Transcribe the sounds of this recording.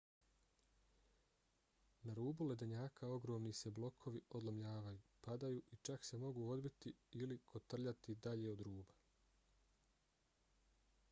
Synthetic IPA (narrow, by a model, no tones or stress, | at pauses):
naɾuːbule̞d̪eɲaːkao̞ɡɾo̞ːmnise̞blˠo̞kʰo̞ʋiʔo̞d̪lˠomʎaːʋajuːpad̪ajuːʔit͡ʃakse̞mo̞ɡuːo̞d̪bit̪iilikʰo̞t̪r̩ʎat̪id̪aʎe̞o̞d̪ɾuːba